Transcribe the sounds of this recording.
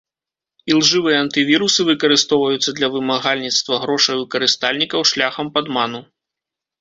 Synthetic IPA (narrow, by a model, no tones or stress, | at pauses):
ilˠʐɨvɨjɐɐnt̪ɨvʲiɾusɨvɨkɐɾɨst̪ɔwvɐjut̪sːɐd̪lʲɐvɨmaɣalʲnʲit̪st̪vɐɣɾɔʂɐjvɨkɐɾɨst̪alʲnʲikɐwʂlʲaxɐmpad̪manu